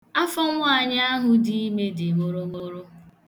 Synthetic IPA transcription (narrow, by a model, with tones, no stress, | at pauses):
a˦fɔ˦ŋʷ˦a˨ɲ˦a˦ɦʊ˦di˦i˦me˦dɪ˨mo˦ɾo˦mo˦ɾo˦